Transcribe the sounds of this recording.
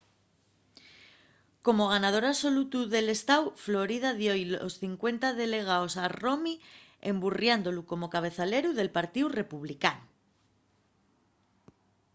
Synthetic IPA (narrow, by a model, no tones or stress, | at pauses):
ko̞mo̞ɣ̞anað̞o̞ɾaβso̞lut̪uðe̞le̞st̪awflo̞ɾið̞aðjo̞jlo̞̰sθiŋkwe̞nt̪aðe̞le̞ɣ̞aosaro̞mi | ḛmburjand̪o̞luko̞mo̞kaβ̞e̞θale̞ɾuðe̞lpaɾt̪iwre̞puβlikan